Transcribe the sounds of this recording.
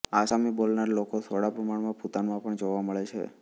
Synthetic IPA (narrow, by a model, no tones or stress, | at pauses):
asamibolnaɾlokot̪ʰoɽapɾəmaɽmãput̪anmãpəɳd͡ʒoʋaməɭet͡ʃʰḛ